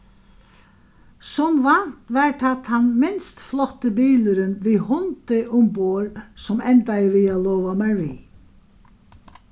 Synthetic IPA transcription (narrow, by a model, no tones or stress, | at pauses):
sɔmʋan̥t̪ʋaɹt̪ʰat̪hanmɪnst̪flɔt̪əbiːləɾɪnʋihʊnt̪ɪʔʊmpoəɹsɔmɛnt̪ajəʋiːalɔːʋamaɹʋiː